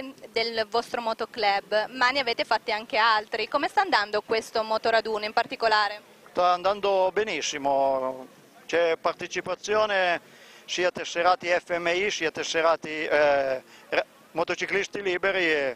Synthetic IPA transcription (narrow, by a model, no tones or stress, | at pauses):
d̪elvɔst̪ɾomɔt̪oklɛbmaneaveːt̪efat̪ːiaŋk̟ealt̪ɾikomest̪aːnd̪and̪okwest̪omot̪oɾad̪uːnimpart̪ikolaːɾe | st̪aːnd̪and̪obenisːimo | t͡ʃɛpart̪et͡ʃipat̪sːjoːne | siːat̪esːeɾaːt̪iɛfːɛmːeisiːat̪esːeɾaːt̪i | mot̪ot͡ʃiklist̪iliːbeɾi